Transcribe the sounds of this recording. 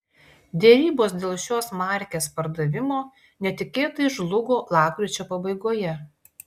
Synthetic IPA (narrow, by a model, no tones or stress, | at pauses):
d̪ʲɛɾʲiːboːs̬d̪ʲeːlˠʃʲoːsmɑˑɾʲkʲeːspɐɾd̪ɐʋʲɪmoː | nʲɛt̪ʲɪkʲeːt̪ɐɪʒlˠʊɡoːlˠɑːpkɾʲut͡ʃʲoːpɐbɐɪɡoːjɛ